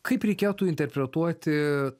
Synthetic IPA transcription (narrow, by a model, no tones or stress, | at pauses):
kɨjpʲɾʲikʲawt̪uint̪erpɾʲet̪oat̪ʲ